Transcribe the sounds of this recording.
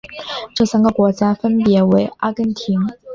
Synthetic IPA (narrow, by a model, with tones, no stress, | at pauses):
ʈ͡ʂɤ˥˩sa˥nɡə˨˩kwɔ˧˥t͡ɕja˥fə˥npjɛ˧˥we˧˥ɪʔa˥kə˧˥nt̪ʰi˧˥n